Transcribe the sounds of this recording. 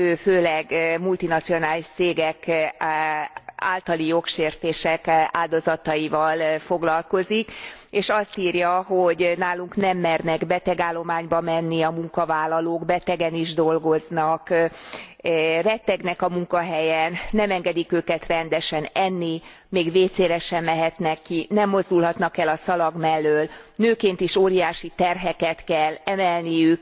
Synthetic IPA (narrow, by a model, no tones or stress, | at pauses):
øːføːlɛɡmult̪inɒt̪sio̞naːliʃt̪seːɡɛk | a̰ːlt̪ɒlijo̞kʃeːrt̪eːʃɛkaːld̪o̞zɒt̪ɒjivɒlfoɡlɒlko̞zikeːʃɒst̪iːrjɒɦoɟnaːluŋknɛmːɛrnɛɡbɛt̪ɛɡaːlːo̞maːɲbɒmɛnːiɒmuŋkɒvaːlːɒloːɡbɛt̪ɛɡɛniʒd̪o̞lɡo̞znɒk | rɛt̪ːɛɡnɛkɒmuŋkɒɦɛjɛnːɛmɛŋɡɛd̪ikøːkɛt̪rɛnd̪ɛʃɛnɛnːi | meːɡveːt̪seːɾɛʃɛmːɛɦɛt̪nɛkːinɛmːo̞zd̪ulɦɒt̪nɒkɛlɒsɒlɒɡmɛlːøːlnøːkeːnt̪iʃoːɾijaːʃit̪ɛrɦɛkɛt̪kɛlːɛmɛlnijyk